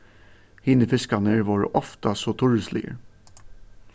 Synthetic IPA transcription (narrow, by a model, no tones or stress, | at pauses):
hiːnəfɪskɑnəʋɑːɹʔɔft̪ɑsoːt̪ʰʊɹʉslɪ̰ə̰